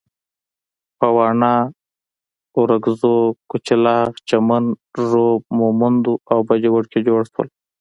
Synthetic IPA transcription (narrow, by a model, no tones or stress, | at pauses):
pawɑːɳɑː | uɾaɡzokut͡ʃɪlɑt͡ʃamanʐob̚momund̪uawbad͡ʒewʊɽked͡ʒoɽswə̰l